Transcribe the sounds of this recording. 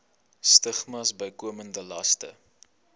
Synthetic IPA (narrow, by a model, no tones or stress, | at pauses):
stəχmɐsbəjkuəməndəlɐstə̰